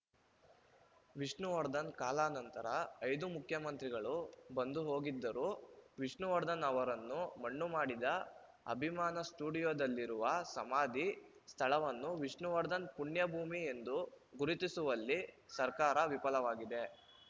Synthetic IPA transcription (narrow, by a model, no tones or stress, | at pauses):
ʋiʂɳuʋɐɾd̪ɐnkaːlaːnɐnt̪ɐɾɐɐjd̪umukʰjɐmɐnt̪ɾiɡɐɭubɐnd̪uɦo̞ːɡid̪ːɐɾuːʋiʂɳuʋɐɾd̪ɐnɐʋɐɾɐnːumɐɳːumaːɽid̪ɐ | ɐ̰bʱimaːnɐsʈuːɽijoːd̪ɐlːiɾuʋɐsɐmaːd̪ʱi | st̪ʰɐɭɐʋɐnːuʋiʂɳuʋɐɾd̪ɐnpuɳjɐbʱuːmie̞nd̪uɡuɾit̪isuʋɐlːisɐɾkaːɾɐʋipɐlɐʋaːɡid̪e̞